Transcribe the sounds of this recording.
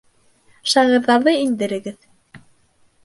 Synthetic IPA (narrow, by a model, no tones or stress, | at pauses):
ʃɑʁɤ̆ɾðɑɾðɤind̪ɘ̆ɾɘ̆ɡɘð